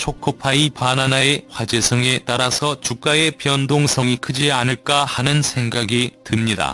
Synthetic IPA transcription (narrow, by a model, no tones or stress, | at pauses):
t͡ɕʰokʰopʰaipananae̞ɸwad͡ʑe̞sʰʌŋe̞t͈aɾasʰʌt͡ɕuk̚k͈ae̞pjʌndoŋsʰʌŋikʰɯd͡ʑianɯɭk͈ahanɯnsʰe̞ŋɡaɡitɯmɲida̰